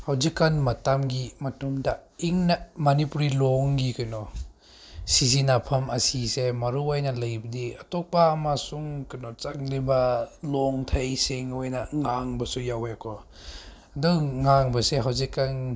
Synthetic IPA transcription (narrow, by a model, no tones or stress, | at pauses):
hawzikːanmɐtamɡimɐtumdaiŋnamanipuɾilɔŋɡikɯnɔ | sizinapʰɐmɐsisemɐɾuajnɐlɐjbɐdiatɔk̚paːmasuŋkɯnɔt͡ʃak̚libɐlɔŋtʰajseŋojnɐŋaŋbɐsujawekʰɔ | duwŋaŋbɐseɦawzikːan